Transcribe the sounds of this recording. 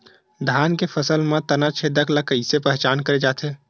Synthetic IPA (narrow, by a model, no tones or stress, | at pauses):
d̪ʱaːnkepʰəsəlmẽt̪ənat͡ʃʰeːd̪əklakəɪsepɛɦt͡ʃaːnkəɾed͡ʒaːt̪ɦeː